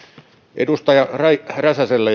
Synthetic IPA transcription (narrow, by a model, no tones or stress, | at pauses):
ʔḛdust̪ɑjɑrɑirɑsæselːæ